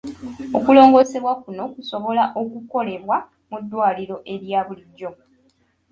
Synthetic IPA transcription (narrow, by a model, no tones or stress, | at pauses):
okulo̞ːŋɡo̞ːse̞βwakuno̞kuso̞βo̞laʔo̞kuko̞le̞βwa | mudːwaːliɾo̞ʔe̞ɾjaːβuliɟːo̞